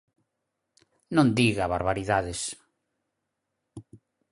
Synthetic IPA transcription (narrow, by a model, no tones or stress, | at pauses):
nõnd̪iɣaβaɾβaɾiðaðes